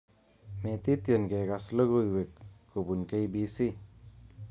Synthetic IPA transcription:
met̪it̪jənɡeɡasləɡujwekː | ubunkejbisi

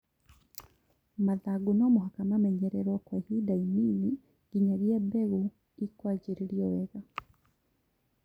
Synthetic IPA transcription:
maðaɡunɔmoɦakamamɛɲɛɾɛɾwɔkɔhidaimini | ɡ̥iɲaɣiɛbɛɣu | ikwad͡ʒiɾiɾiɔwɛɣa

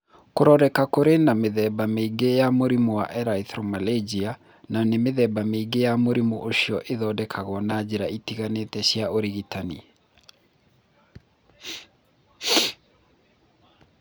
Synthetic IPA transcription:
koɾɔɾɛkakoɾenameðɛbameɡejamoɾimuwa̰ʔɛɾaiθɾɔmaled͡ʑia | nanemeðɛbameiɡejamoɾimuʔoɕiɔʔeðɔːdɛkʰaɣɔnad͡ʑeɾaitiɣanetɛɕjaoɾiɣitanḭ

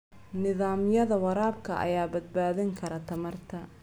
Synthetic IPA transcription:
nɪðaːmjɐðɐwɐɾaːbkʰɐʔɐ̰jaːbɐd̪̚baːðɪŋkʰɐɾɐt̪ʰɐmɐrt̪ʰɐ

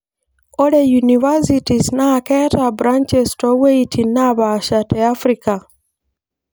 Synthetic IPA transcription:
oɾejunivasitiznaketabɾant͡ʃestaweitʰinaβaʃateafɾika

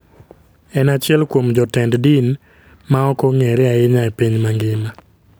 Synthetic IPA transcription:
ɛnat͡ʃɪɛlkwomd͡ʒɔtɛnddin | maɔkɔŋɛɾɛaɪɲaɛpiɲmaŋɡɪma

